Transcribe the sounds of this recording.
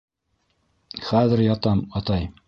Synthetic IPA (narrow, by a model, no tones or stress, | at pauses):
χæðɘɾjɑt̪ɑmɑt̪ɑj